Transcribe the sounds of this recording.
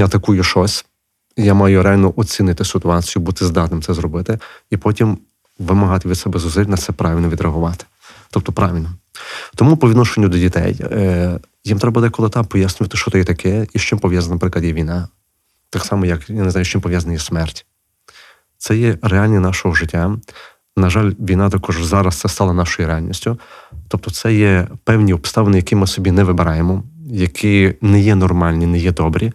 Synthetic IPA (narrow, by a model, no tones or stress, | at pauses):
jaɐt̪ɐkujʊʃɔsʲ | jamɑjʊɾeɑlʲnɔʔɔt͡sʲinɪt̪ɪsɪt̪ʊɑt͡sʲijʊbut̪ɪzd̪ɑt̪nɪmt̪sɛzɾɔbɪt̪ɪipɔtʲim | ʋɪmɐɦɑt̪ɪʋʲid̪sɛbɛzʊzɪlʲnɐsɛpɾɑʋʲilʲnɔʋʲid̪ɾɐɦʊʋɑt̪ɪ̥ | t̪ɔp̚t̪ɔpɾɑʋʲilʲnɔt̪ɔmupɔʋʲid̪nɔʃenʲːʊd̪ɔdʲit̪ɛ̰j | jimt̪ɾɛbɐd̪ɛkɔlˠɪt̪ɑmpɔjasʲnʲʊʋɐt̪ɪʃt͡ʃɔt̪ɔjɛt̪ɐkʰɛiʃt͡ʃɪmpɔʋʲjaznɐɐpɾɪklˠɐd̪jɛʋʲijnɑ | t̪ɑksɑmɔjɐkjanezɑjʊʃt͡ʃɪmpɔʋjazɐnɐjɛsmɛrtʲ | t̪sɛjɛrealʲnʲinɑʃɔɦɔʒɪtʲːa | nɐʒɑlʲʋʲijnɑt̪akɔʒzɑɾɐst̪sɛst̪ɑlˠɐnɑʃɔjiɾealʲnʲḭsʲtʲʊt̪ɔp̚t̪ɔt̪sɛjɛpɛwnʲiɔpst̪ɑʋenɪjɐkɪmɪsɔbʲinɛʋɪbɪɾɑjemɔjɐkʰɪnɛjɛnɔrmɑlʲnʲinɛjɛd̪ɔbɾʲʔi